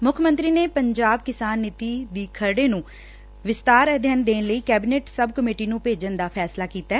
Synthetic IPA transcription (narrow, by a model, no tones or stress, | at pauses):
mʊkʰmə̃nt̪ɾiːneːpəɲd͡ʒaːb̚kɪsaːnːɪt̪iːd̪iːkʰəɾɖeːnũː | ʋɪst̪aːɾəd̪ʱjənd̪eːnləiːkɛːbɪneːʈsəbkəmeːʈiːnũːpeːd͡ʒənd̪aːpʰɛːslaːkiːt̪aː